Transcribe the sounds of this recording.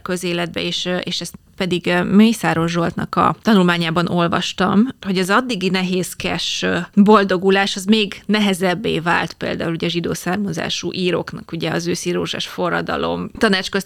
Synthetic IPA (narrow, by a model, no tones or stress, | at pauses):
kø̞zeːlɛd̪̚bɛ̰eːʃʔeːʃɛst̪ | pɛd̪iɡmøːjsaːɾo̞ʒo̞lt̪nɒkɒ̰t̪ɒnulmaːɲaːbɒno̞lvɒ̰ʃt̪ɒmho̞ɟɒzɒd̪ːiɡinɛɦeːskɛʃbo̞ld̪o̞ɡulaːʃɒzmeːɡnɛɦɛzɛbːḛːva̰ːlt̪pḛːld̪a̰ːuluɟɛʒid̪o̰ːsaːrmɒza̰ːʃṵʔiːɾo̰knɒkuɟɛɒzøːsiːɾo̰ːʒa̰ːʃfo̞rːɒ̰d̪ɒ̰lo̞̰mt̪ɒnaːt͡ʃkøs